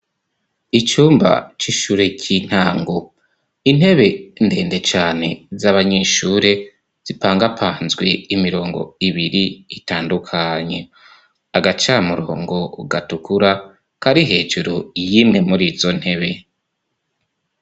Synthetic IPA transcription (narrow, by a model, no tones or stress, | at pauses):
it͡ʃuːmba̰t͡ʃiʃuːɾe̞cʰin̥haːŋɡo | in̥e̞βe̞nde̞ːnde̞t͡ʃaːne̞zaβaɲe̞ʃuːɾe̞ | z̥ipaːŋɡapʰaːnzɡwe̞imiɾo̞ːŋɡo̞̰iβiɾiitaːndukʰaɲe | aɡat͡ʃamuɾo̞̰ːŋɡo̞ɡatukuɾa | kaɾiɦe̞ːd͡ʒuɾojiːmŋe̞muɾiːzo̞n̥he̞βe̞